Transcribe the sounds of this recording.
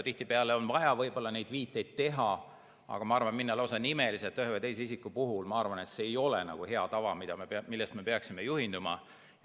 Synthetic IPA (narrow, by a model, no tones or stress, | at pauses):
t̪iht̪ipeɑleo̞nvɑjɑvɤjb̥o̞lːɑne̞jd̪̥viːt̪ːˑe̞jd̪̥̚t̪ːe̞ɦɑ | ɑ̰ɡ̥ɑmɑɑɾrvɑnminːelos̬ɑnime̞liset̪ːˑyɦevejt̪e̞js̬eis̬ikːupuɦulmɑɑrvɑne̞t̪se̞ːjo̞lḛnɑ̰ɡ̥uhe̞ɑt̪ɑvɑmid̪̥ɑmemilːest̪me̞peɑksime̞juhind̪umɑ̰